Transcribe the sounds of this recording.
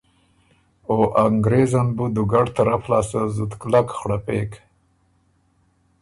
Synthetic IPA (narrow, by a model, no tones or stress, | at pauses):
oʔaŋɡɾezanbud̪uɡaɖt̪aɾaflɑːsazud̪klakxɽapek